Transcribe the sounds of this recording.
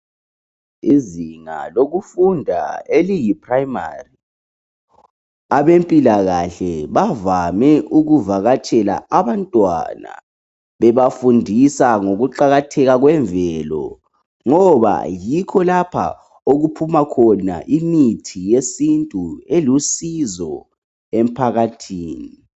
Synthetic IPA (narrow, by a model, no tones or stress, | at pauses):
iziŋa̰loɣufundʱa̰elijipʰrajma̰ri | aβempʼilaɣaɬɛβavamɛʔuɣuvaɣat͡ʃʼɛla̰aβantʼwa̰na̰ | βɛβafundʱisaŋoɣuǃaɣatʰɛɣaɣwɛɱvʱɛːlɔ̰ | ŋɔβa̰jikʰɔlapʰa̰ | oɣupʰumakʰɔna̰ʔimitʰijesintʼuelusizɔ | em̩pʰaɣatʰiːni